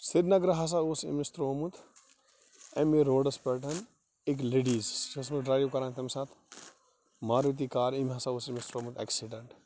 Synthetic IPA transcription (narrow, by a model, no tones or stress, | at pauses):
siɾnɐɡɾɐɦɐs̬aosḭmist̪ɾoːmut̪ʰ | ɐmiɾoːɖɐspɛʈɐn | ik̬leːɖiːzd͡ʒɐs̬muɖɾaːɾijokɐɾãːnt̪ʰɐmsaːt̪ʰ | maːɾit̪̬ikaːɾimɦɐsausimist̪ɾoːmut̪ɛ̰ksiɖɐɳʈ